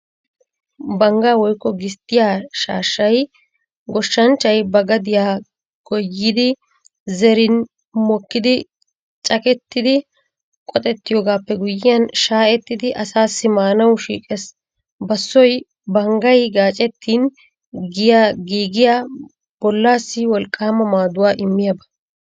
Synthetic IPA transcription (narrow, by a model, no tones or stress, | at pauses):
bɐŋɡaːwɔjkːɔɡɪst̪ːɪjaːʃaːʃːɐj | ɡɔʃːɐnt͡ʃːɐjbɐɡɐd̪ɪjaː | ɡ̥ɔjːɪd̪ɪ | zɛɾɪn | mɔkːɪd̪ɪ | t͡ʃʼɐkʼɛt̪ːɪd̪ɪ | kʼɔt̪ʼɛt̪ːɪjoːɡaːpːɛɡʊjɪjɐnʃaːʔɛt̪ːɪd̪ɪʔɐsaːsːɪmaːnɐwʃḭːkʼɛs | bɐsːɔj | bɐŋɡɐjɡaːt͡ʃʼɛt̪ʰːiːn | ɡɪjaːɡiːɡɪjaː | b̥ɔlːaːsːɪwɔlkʼːaːmɐmaːd̪ʊwaːʔɪmːɪjɐbɐ̥